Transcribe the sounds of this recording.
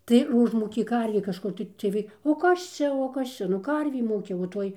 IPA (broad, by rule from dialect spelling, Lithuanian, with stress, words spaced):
tɐɪ ɪr ˈʊʒmuːkʲeː ˈkɐrʲʋʲeː kɐʃˈkʊr tɐɪ t͡sʲiɛj ˈʋɐɪ oː ˈkɐs t͡ʃʲɛ oː ˈkɐs t͡ʃʲɛ nʊ ˈkɐrʲʋʲeː ˈmuːkʲɛ oː ˈtoːj